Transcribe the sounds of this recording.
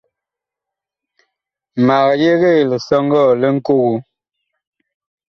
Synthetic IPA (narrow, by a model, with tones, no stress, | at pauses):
ma˨ɣje˦ɣe˦˨lə˨sɔ˦ŋ˦ɡɔ˦˨lə˦ŋ̩˦ko˦ɣu˨˦